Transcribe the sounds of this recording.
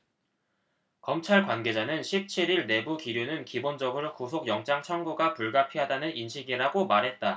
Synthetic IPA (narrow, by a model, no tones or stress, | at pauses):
kʌmt͡ɕʰaɭkwanɡe̞d͡ʑanɯnɕʰip̚t͡ɕʰiɾiɭne̞bukiɾjunɯnkibond͡ʑʌɡɯɾokusʰoɡjʌŋt͡ɕ͈aŋt͡ɕʰʌŋɡuɡapuɭɡapʰiɦadanɯninɕʰiɡiɾaɡomaɾɦe̞t̚t͈a